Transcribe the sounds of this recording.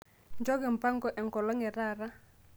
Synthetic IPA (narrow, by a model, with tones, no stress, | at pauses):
ɲd͡ʒɔ˦ɡɪ˨m̩˨pa˦ŋɡɔ˨ʔɛ˨ŋkɔ˨lɔ˦ŋɛ˨ɾa˦˨ɾa˦